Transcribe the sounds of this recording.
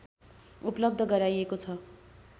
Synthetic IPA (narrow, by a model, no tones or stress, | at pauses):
uplʌb̚d̪ʱʌɡʌɾajekot͡sʰʌ